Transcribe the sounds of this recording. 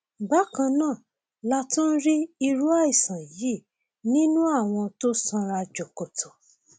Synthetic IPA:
ba˨˦kã˧nãː˦˨ | la˦tũ˦n̩˦ɾi˦i˧ɾu˦a˦i˦˨sã˨ji˨˦˨ | nĩ˦nũ˦a˦˨w̃ɔ̃˧to˦sã˧ɾa˧d͡ʒo˨ko˨tʰo˨

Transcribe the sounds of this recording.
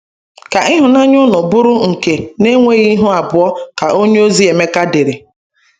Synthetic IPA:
ka˨ɪ˦ɦʊ˨na˦ɲʊ˦nʊ˨bʊ˦ɾʊ˦ŋ̩˨ke˨ne˦ŋʷe˦ɣi˦ɦʊ˦a˨bʊ˨ɔ˦ka˨ʔo˦ɲe˦o˦zi˨˦e˨me˦ka˦de˨ɾe˨

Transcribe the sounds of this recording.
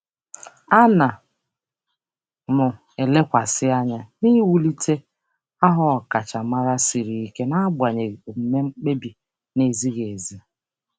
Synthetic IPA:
a˦na˨ | mʊ˨ | e˨le˦kʷa˨sɪ˦a˦ɲa˦ni˦wu˦li˦tʰe˦ | a˦ɦɔ˦ɔ˨ka˨t͡ʃa˨ma˦ɾa˦si˨ɾi˨i˦ke˦na˦ɡ͡ba˨ɲe˨m̩˨me˦ŋ͡m̩˦k͡pe˦bi˨ | ne˨zi˦ɣe˨zi˦

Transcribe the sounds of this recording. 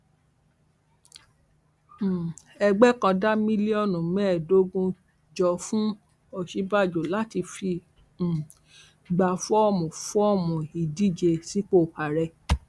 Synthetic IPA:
ɛ˧ɡ͡bɛ˦kã˧da˦mĩ˦li˦ɔ˦˨nũ˨mɛ̃˦˨do˨˦ɡũ˧ | d͡ʒɔ˧fũ˦ | ɔ˨ʃi˨˦ba˦˨d͡ʒo˨la˨˦ti˧fĩ˧˨ | ɡ͡ba˨fɔ˦ɔ˦˨mũ˨fɔ˦ɔ˦˨mũ˨i˨di˦˨d͡ʒe˧si˦k͡po˦˨ha˨ɾɛ˧

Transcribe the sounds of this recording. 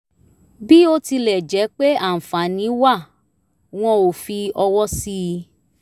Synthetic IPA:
bi˦o˦ti˧lɛ˨d͡ʒɛ˨˦k͡pe˦a˦˨m̩˨fã˨nĩ˨˦wa˦˨ | w̃ɔ̃˧o˨fi˧ɔ˧wɔ˦si˦˧

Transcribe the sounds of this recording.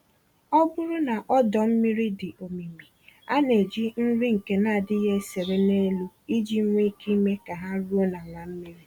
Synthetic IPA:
ɔ˦bʊ˦ɾʊ˦na˨ʔɔ˦dɔ˨m̩˦mi˦ɾi˦dɪ˨ʔo˨mi˨mi˨ | a˦ne˨d͡ʒi˦n̩˦ɾi˦ŋ̩˨ke˨˦na˦˨dɪ˦ɦe˦se˨ɾe˦ne˦lu˦ | i˦d͡ʒi˦ŋʷe˦ki˦me˦ka˨ɦa˦ɾu˦o˦na˨ŋʷa˨m̩˦mi˦ɾi˦

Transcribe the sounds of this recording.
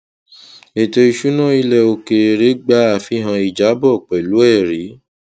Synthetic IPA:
e˨to˧i˧ʃu˦nã˦˨i˧lɛ˧˨o˧ke˨ɾe˧ɾe˨˦ɡ͡ba˦a˨fi˦ɦã˧i˨d͡ʒa˨˦bɔ˦˨k͡pɛ˨lu˨˦ɛ˦˨ɾi˨˦

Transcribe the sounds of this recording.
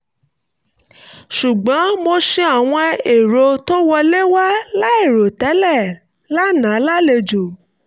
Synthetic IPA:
ʃu˨ɡ͡bɔ̃˨˦mo˧ʃe˧a˨w̃ɔ̃˧e˨ɾo˧to˦wɔ˧le˦wa˦la˦e˦˨ɾo˨tɛ˨˦lɛ˦˨ | la˦nã˨˦la˦le˧d͡ʒu˨

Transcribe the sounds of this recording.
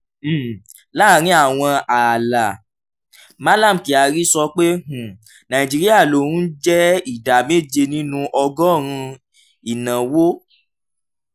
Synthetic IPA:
m̩˦˨ | la˦˨ɾ̃ĩ˦a˦˨w̃ɔ̃˧a˨la˨ | ma˦la˦˨m̩˨ki˨a˨ɾi˦sɔ˧k͡pe˦ɦũ˨ | nã˨i˨d͡ʒi˨˧ɾi˦a˦˨lo˨ɾũ˦d͡ʒɛ˦i˨da˨me˦˨d͡ʒe˧nĩ˦nũ˧˦ʔɔ˧ɡɔ˦˨ɾ̃ũ˧ | i˨nã˨wo˦

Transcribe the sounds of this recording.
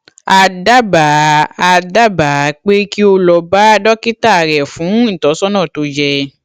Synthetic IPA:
a˧da˦ba˨a˧da˦ba˨˦k͡pe˦ki˦o˧lɔ˧ba˦dɔ˦ki˦ta˦˨ɾɛ˨fũ˨˦n̩˦˨tɔ˨˦sɔ˦nã˦˨to˧d͡ʒɛ˧

